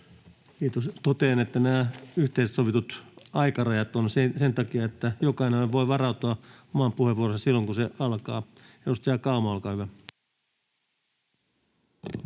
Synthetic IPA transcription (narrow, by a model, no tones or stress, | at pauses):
kiːt̪ost̪ot̪eːnet̪ːænæːyht̪eissoʋit̪ut̪ɑikɑrɑjɑt̪onsesent̪ɑkiɑet̪ːæjokɑineoʋʋoiʋɑrɑut̪oɑ | omɑːmpuheʋuoːrosɑsilːoŋkuseɑlkɑː | eust̪ɑkɑumuɑlkɑːhyʋæ